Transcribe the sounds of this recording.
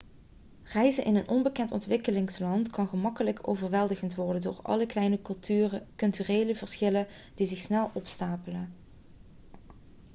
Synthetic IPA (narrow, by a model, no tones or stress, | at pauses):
rɛjzənʔɪnənʔɔnbəkɛntɔ̰ntʋɪkəlɪŋslɑntkɑnχəmɑkələkʰo̰wvərʋɛlˠdəɣəntʋɔɹdəndo̰ːɹɑ̰ləklɛjnə | kɵlˠtyːreːjləvəɹsχɪlən | d̥izɪxsnɛlˠɔpstaːpələ